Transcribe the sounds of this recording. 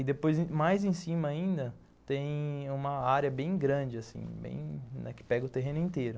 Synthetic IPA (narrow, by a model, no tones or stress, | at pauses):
ɪd̪epojz̃majzẽsĩmɐaĩnd̪ɐ | t̪ẽj̃ũmɐaɾjɐbẽj̃ɡɾɐ̃d͡ʒɪasḭ̃bḛ̃j̃nɛ̰kɪ̥pɛɡɐʊt̪eɦẽnʊĩnt̪ejɾʊ